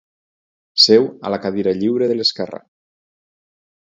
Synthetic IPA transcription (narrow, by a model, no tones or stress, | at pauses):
sewa̰lakaðiɾaʎiwɾeðeleskɛra̰